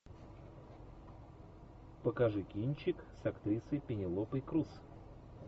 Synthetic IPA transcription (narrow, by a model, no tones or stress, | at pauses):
pəkɐʐɨkʲinʲt͡ɕɪksɐkt̪ɾʲisəjpʲɪnʲɪlˠopəjkɾus